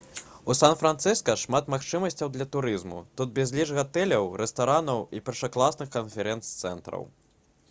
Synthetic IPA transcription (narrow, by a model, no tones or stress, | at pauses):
usanfɾant̪sɨskɐʂmat̪maxt͡ʂɨmɐsʲt͡sʲɐwd̪lʲɐt̪uɾɨzmṵt̪ud̪̚bʲɛzʲlʲiʐɣat̪ɛlʲɐwɾɛst̪aɾanɐwipʲɛrʂɐklˠasnɨxkɐnfʲɛɾɛnt̪st̪sɛ̰nt̪ɾɐ̰w